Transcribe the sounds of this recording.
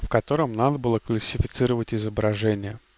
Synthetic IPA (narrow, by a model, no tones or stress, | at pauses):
fkɐt̪o̞ɾəmnad̪əbɨlˠəklˠəsʲɪfʲɪt̪sɨɾəvətʲɪzəbɾɐʐɛnʲɪjə